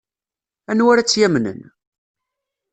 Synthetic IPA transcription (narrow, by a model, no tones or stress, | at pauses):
ænwæɾæt͡sːjæmnə̰n